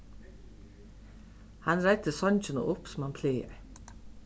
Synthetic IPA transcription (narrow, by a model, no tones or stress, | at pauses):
hanɾajt̪əsɔɲnt͡ʃɪnʊ̰ʔʊpsʊmhanpʰleːɪ̰